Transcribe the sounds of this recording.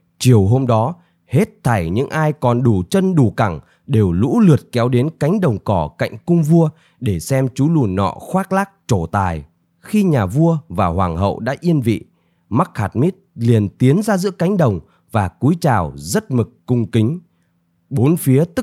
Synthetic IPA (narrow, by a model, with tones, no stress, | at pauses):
t͡ɕi˨˩əwɦo˧mɗɔ˨˦ | he˦˥t̚t̪ʰa˧˩jɲɨ̰˧˥ŋʔaː˧jkɔ˨˩nɗu˧˩t͡ɕə˧nɗu˧˩ka˧˩ŋ | ɗe˨˩wlṵ˧˥lɨ˨˩ət̚kɛ˨˦wɗe˨˦nka˨˦jŋ̟ɗə˨˩wŋ͡mkɔ˧˩ka̰˧˨jŋ̟kʊ˧ŋ͡mvu˧ə | ɗe˧˩sɛ˧mt͡ɕu˨˦lu˧˩nɔ̰˧˨xwaː˦˥k̚laː˦˥k̚t͡ɕo˧˩t̪aː˨˩j | xi˧ɲaː˨˩vu˧əvaː˨˩hwaː˨˩ŋɦə̰˧˨wɗa̰ː˧˥ʔi˧ənvḭ˧˨ | ma˦˥k̚haː˨˩t̚mi˦˥t̚li˨˩ənt̪i˨˦ənzaː˧zɨ̰˧˥əka˨˦jŋ̟ɗə˨˩wŋ͡m | vaː˨˩ku˨˦jt͡ɕaː˨˩wzə˦˥t̚mɨ˨˩kkʊ˧ŋ͡mkï˨˦ŋ̟ | ɓo˨˦nfi˨˦ət̪ɨ˦˥